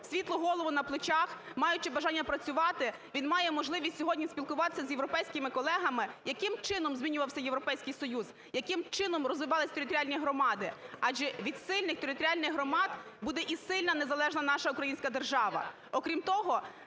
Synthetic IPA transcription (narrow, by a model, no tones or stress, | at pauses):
sʲʋʲit̪lˠʊɦɔlˠɔʋʊnɐplˠɪt͡ʃɑxmɑjʊt͡ʃɪbɐʒɑnʲːɐpɾɐt͡sʲʊʋɑt̪ɪ | ʋʲinmɑjɛmɔʒlˠɪʋʲisʲtʲsʲɔɦɔdʲnʲisʲpʲilˠkʊʋɑt̪ɪ̥sʲɐzʲjewɾɔpɛjsʲkɪmɪkɔlˠɛɦɐmɪjɐkɪmt͡ʃɪnɔmzʲmʲinʲʊʋɐwsʲɐjeʋɾɔpɛjsʲkɪjsɔjuz | jɐkɪmt͡ʃɪnɔmrɔzʋɪʋɑlˠɪsʲt̪eɾɪt̪ɔɾʲialʲnʲijɦɾɔmɑd̪ɪɑʒɛʋʲid̪sɪlʲnɪxt̪eɾɪt̪ɔɾʲialʲnɪɣɦɾɔmɑd̪bud̪ɛʔisɪlʲnɐnezɐlˠɛʒnɐnɑʃɐukɾɐjinʲsʲkɐd̪erʒɑʋɐ̰ | ɔkɾʲimt̪ɔɦɔ